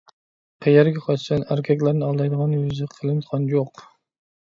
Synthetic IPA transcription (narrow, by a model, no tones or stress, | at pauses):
qʰɛjæɾɡʲɛqʰɑt͡ʃʰsɑnæɾkʲʰɛkʲlæɾnɪɑlˠd̪ɑjd̪əʁɑnjyzɨqʰəlˠɨnt̪ʁɑnjoq